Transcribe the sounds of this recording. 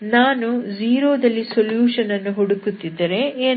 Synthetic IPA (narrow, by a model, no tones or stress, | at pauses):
naːnud͡ʒiːɾoːd̪ɐlːisoljuːʂɐnɐnːuɦɔɽukut̪ːid̪ːɐɾe̞eː